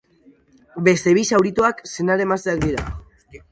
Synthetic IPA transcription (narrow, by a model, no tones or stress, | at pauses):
be̞st̪e̞βisawɾit̪uaksenaɾe̞mast̪eak̚d̪iɾa̰